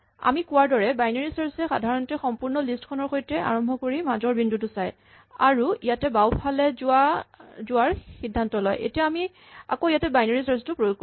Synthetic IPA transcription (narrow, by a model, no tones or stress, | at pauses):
a̰mikʊwaɹdɔɹɛbajnaɹisaɹsɛxa̰dʱaɹɔntɛxɔmpuɹnɔlistkʰɔnɔɹxojtɛa̰ɹɔmbʱɔkoɹimazɔɹbindutʊsaj | a̰ɹuijatɛbawpʰalɛazʊaɹxidʱːantɔlɔ̰jʔḛtiaami | a̰koijatɛbajnaɹisastʊpɹojoɡ̚ko